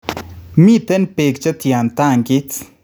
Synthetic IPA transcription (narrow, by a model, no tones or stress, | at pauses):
miːt̪enpeːkt͡ʃɐt̪ijaːnt̪aːŋɡit͡s